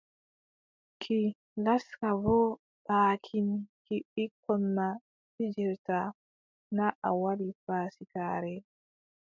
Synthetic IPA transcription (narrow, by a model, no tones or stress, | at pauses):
kʰi | laskabɔ | ɓaːkʰinkiɓikʰːɔnːa | fid͡ʒɛɾta | naʔawaɾifaːsikaːɾɛ